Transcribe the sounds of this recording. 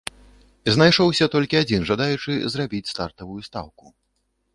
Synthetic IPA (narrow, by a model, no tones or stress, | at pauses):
znajʂɔwsʲɐt̪ɔlʲkʲiad͡zʲinʐad̪ajut͡ʂɨzrabʲit͡sʲst̪art̪ɐvujust̪a̰wku